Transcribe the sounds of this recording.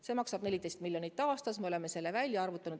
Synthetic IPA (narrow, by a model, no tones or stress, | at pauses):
se̞mɑksɑb̥ne̞lid̪̥e̞jst̪miljonit̪ːˑɑːst̪ɑsmeo̞le̞mːe̞se̞lːe̞vælʲːjɑɑrvut̪ːˑɑnud̪̥